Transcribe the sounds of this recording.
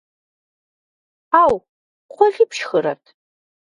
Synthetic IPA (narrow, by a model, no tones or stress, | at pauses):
aːw | qʷʰɔɮʲipʃxɨɾɐ̰tʰ